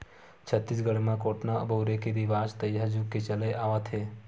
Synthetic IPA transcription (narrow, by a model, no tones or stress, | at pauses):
t͡ʃʰət̪ːisɡəɽemãkoːʈnabəwɾekeɾiʋaːd͡ʒt̪əjɦad͡ʒuket͡ʃəleʔaːʋat̪ʰe